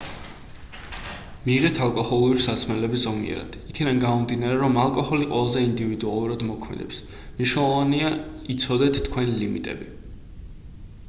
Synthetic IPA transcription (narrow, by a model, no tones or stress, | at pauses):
miʁɛt̪ʰalˠkʼɔhɔlˠuɾisasmɛlɛbiszɔmḭɛ̰ɾa̰d̪̥ikʰid̪anɡamɔmd̪inaɾɛɾɔmalˠkʼɔhɔliqʼwɛlˠazɛind̪ivid̪ualˠuɾad̪mɔkʰmɛ̰d̪ɛps | mniʃnɛlˠɔvania | it̪sʰɔd̪ɛt̪ʰt̪ʰkʰwɛnilimit̪ʼɛ̰bi